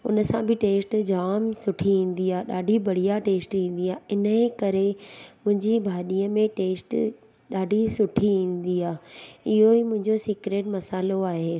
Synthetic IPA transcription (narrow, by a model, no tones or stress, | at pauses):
ʊ̰nəsãbʱɪʈeːsʈd͡ʑaːmsʊʈʰiĩːn̆d̪iaːeɗaːɖʱibɐɽ̤ijaʈeːsʈĩːn̆d̪iaːɪnəkɐɾemʊ̃ɦɪ̃ɲd͡ʑibʱaːɗiːəmẽʈeːsʈ | ɗaːɖʱisʊʈʰiĩːn̆d̪iaːɪɦoimʊ̃ɦɪ̃ɲd͡ʑosikɾeːʈmɐsaːloaːɦeː